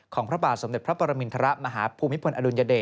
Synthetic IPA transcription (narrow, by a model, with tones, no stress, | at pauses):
kʰɔː˩˦ŋpʰɾa˦˥baː˨˩t̪̚so˩˦de˨˩t̚pʰɾa˦˥pʰɔː˧ɾa˧mi˧nt̪ʰa˧ɾa˦˥ʔma˧ɦaː˩˦pʰuː˧mːi˦˥pʰo˧nʔa˧du˧nja˧deː˨˩